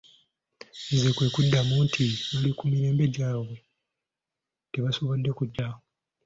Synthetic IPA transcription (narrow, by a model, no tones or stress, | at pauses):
nzekwe̞ːkudːamuntʰiolikumiɾe̞ːmbe̞ɟaːwe | teβaso̞βo̞dːe̞kuɟːaho